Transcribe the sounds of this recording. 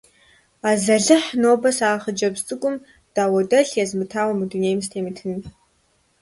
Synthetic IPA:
aːzɐɮɨħnoːbɐsaːχəd͡ʒɐbst͡sʼɨkʷʼʊm | d̥aːwɐdɐɬjɛzmɨtʰaːwɐmɨduneːjmstʰeːmitʰɨnɨ

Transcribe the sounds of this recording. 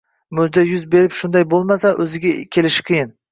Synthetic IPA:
mɵzd̪ajʊzbe̞ɾɪpʃʊnd̪ajbolˠmasaʔɵzɪɡʲakʲʰe̞lɪʃɪ̥qʰɨjɪn

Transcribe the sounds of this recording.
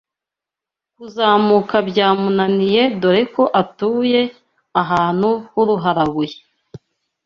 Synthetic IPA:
kuzaːmukabɟaːmunanije̞doɾeko̞ʔatuːje̞ | aɦaːn̥huhuɾuɦaɾaβuje

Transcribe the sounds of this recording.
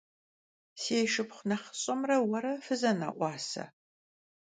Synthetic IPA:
seːʃɪpχʷnɐχə̥ɕʼɐmrɐwɐɾɐfɨzɐna̰ːʔʷɑːsɐ̰

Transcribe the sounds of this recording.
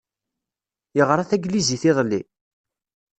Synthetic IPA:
jəʁɾˤaθæɡliziθɪðˤlːḭ

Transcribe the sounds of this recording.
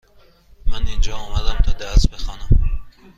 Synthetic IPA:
mænind͡ʒɒːɔːmæd̪æmt̪ʰɒːd̪æsbexɒːnam

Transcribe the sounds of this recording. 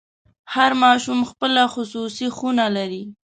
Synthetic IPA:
haɾmɑʃumxpəlaxʊsusixunalaɾi

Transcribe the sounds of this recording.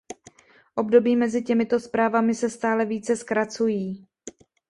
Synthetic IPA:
ʔo̞bdo̞biːmɛzɪcɛmɪt̪o̞spɾaːvamɪsɛst̪aːlɛviːt͡sɛskɾat͡sujiː

